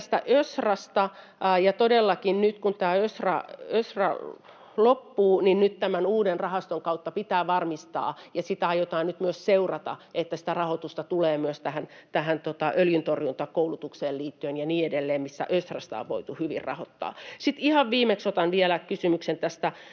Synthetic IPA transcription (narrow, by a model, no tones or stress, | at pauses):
t̪st̪æ̰ʔøsrɑst̪ɑ | jɑt̪odelːɑkinnyt̪kunt̪æːøsrɑ̰øsrɑ̰ | lopːuːninnyt̪t̪æmænuːdenrɑhɑst̪oŋkɑut̪ːɑpit̪æːʋɑrmist̪ɑ̰ːjɑsit̪æɑjot̪ɑːnnyt̪myøsseurɑt̪ɑ̰ʔet̪ːæsĭ̥t̪ærɑhot̪ust̪ɑt̪uleːmyøst̪æhænt̪æhænt̪ot̪ɑʔøljynt̪orjunt̪ɑkoulut̪ukseːlliːt̪ːyønjɑniːedelːeːmmisːæ̰ʔøsrɑ̰st̪ɑ̰ʋʋo̰it̪uhyʋḭrrɑ̰ho̰t̪ːɑ̰ːsit̪ihɑʋʋiːmeksot̪ɑnʋielækysymyksent̪æst̪æ